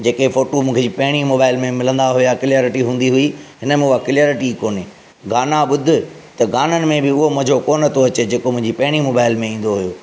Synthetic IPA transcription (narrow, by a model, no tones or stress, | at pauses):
d͡ʑeːkefoːʈomũːkʰed͡ʑiːpɐɦɪɽ̃imoːbaːɪlmẽmɪlə̃nd̪aɦʊjakɪljaːɾɪʈiɦũːnd̪iɦʊiɦɪnəmẽʊakɪljaːɾɪʈikoːni | ɡaːnaɓʊd̪ʱɪ̆t̪ɐɡaːnənɪ̆mẽbɪʊɦomʊ̃ɦd͡ʑʱokoːnət̪ʰoɐt͡ɕed͡ʑeːkomʊ̃ɦɪ̃ɲd͡ʑipɐɦɪɽ̃imoːbaːɪlmẽĩːn̆d̪oɦʊjoː